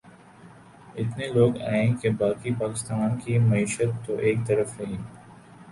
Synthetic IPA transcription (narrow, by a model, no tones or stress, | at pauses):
ɪt̪neloːɡa̰ːẽːkebaːkipaːkɪst̪aːnkimɐiːʃət̪ːoʔeːk̚t̪ɐɾəfɾɐɦĩː